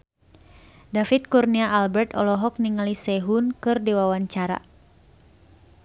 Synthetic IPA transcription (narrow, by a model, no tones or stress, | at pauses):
dafit̪̚kurniaʔalbɛrt̪ɔlɔɦɔk̚niŋalisɛɦunkɨrdiwawaɲt͡ʃaɾa̰